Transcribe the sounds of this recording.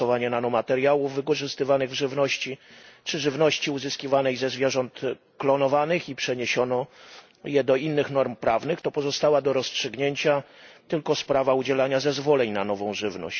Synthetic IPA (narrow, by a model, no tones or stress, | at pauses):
ɔvaɲɛnanɔmat̪ɛɾjawuvːɘkɔʐɘst̪ɘvanɘɣvʐɘvnɔɕt͡ɕit͡ʂɘʐɘvnɔɕt͡ɕiuzɘskʲivanɛjzɛzvʲjɛʐɔnt̪ | klɔnɔvanɘxipʂɛɲeɕɔnɔ | jɛd̪ɔinːɘxnɔɾmpɾavnɘxt̪ɔpɔzɔst̪awad̪ɔɾɔstʂɘɡɲeɲt͡ɕat̪ɘlkɔspɾavaud͡ʑɛlaɲazɛzvɔlɛɲnanɔvɔ̃w̃ʐɘvnɔ̰ɕt͡ɕ